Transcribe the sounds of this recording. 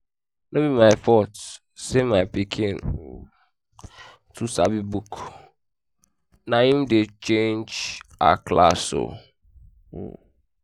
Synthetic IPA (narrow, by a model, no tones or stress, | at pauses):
nõmĩmãɪfɔt | semãɪpikʰĩn | tʰusabibuk | nãĩmdet͡ʃẽnd͡ʒa̰kla̰so̰